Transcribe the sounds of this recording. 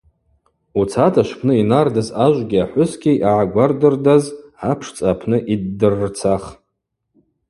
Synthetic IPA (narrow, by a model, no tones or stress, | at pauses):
ut͡sʰatʰʼaʃʷpʰnɨinardazaʒʷɡʲiaħʷʊskʲejʔaʕaɡʷardɨrdazʕapʰʂt͡sʼapʰnɨʔidːɨrːt͡sʰaχ